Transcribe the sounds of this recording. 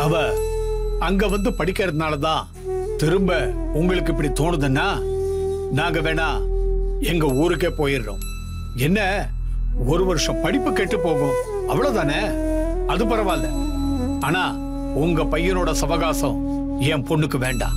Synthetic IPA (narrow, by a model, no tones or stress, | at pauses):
ɐʋɐ | ɐŋɡeʋɐnd̪ɯpɐɽɪkːɐɾɐðɯnaːlɐt̪ãː | t̪ɪɾɯmbɐ | ʊŋɡɐɭɯk̬ːɪp̬ːɐɽit̪oːɳɯðɯnːaː | naːŋɡɐʋeːnaː | ɛŋɡɐuːɾɯk̬ːeːpoːjɪɾɾõ̰ː | ɛnːɐ | ɔɾɯʋɐɾɯʂɐ̃mpɐɽɪpːɯkeʈːɯpːoːɣʊ̃ | ɐʋːɐɭoːt̪aːneːɐðɯpɐɾɐʋaːlːɐ̰ | aːnaː | ʊŋɡɐpɐjːɐnoːɽɐsɐʋɐɣaːsɐ̃ | eːpɔɳːɯkːɯʋeːɳɖã̰ː